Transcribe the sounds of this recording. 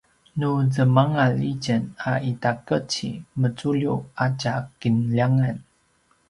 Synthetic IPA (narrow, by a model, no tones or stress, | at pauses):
nuzəmaŋaliɟənaʔitakət͡ɕḭmət͡suʎuacakinʎaŋan